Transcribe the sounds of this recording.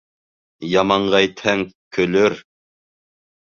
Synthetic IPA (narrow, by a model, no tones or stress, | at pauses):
jɑmɑɴʁɑjt̪ʰɛŋkʲʰøløɾ